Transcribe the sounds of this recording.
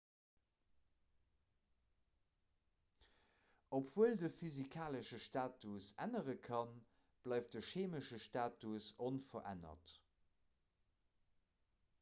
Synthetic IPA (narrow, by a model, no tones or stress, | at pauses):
opv̥uəldəfyzikʰaːləʃəʃtaːtusæ̰nəʁəkʰɑn | b̥lɑˑɪft̚d̥əʃeːməʃəʃtaːtusonfɐʔæ̰nɐ̰t